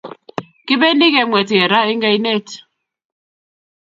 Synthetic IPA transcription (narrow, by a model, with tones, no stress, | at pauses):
ki˦be˦ni˦ɣe˨ŋwɛ˨ti˨e˨ɾa˦i˦ŋɡe˦i˦ne˦˨t